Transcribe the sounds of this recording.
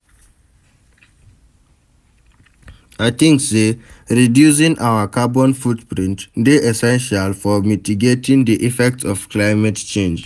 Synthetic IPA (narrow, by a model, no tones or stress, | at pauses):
aɪt̪ĩŋkseɹidjus̬ĩŋʔawəkabɔ̃nfutpɹĩntdeʔɛsɛ̃nʃalfɔmitiɡetĩŋdiʔifɛk̚tsɔv̥kʰlaɪmɛtt͡ʃẽnd͡ʒ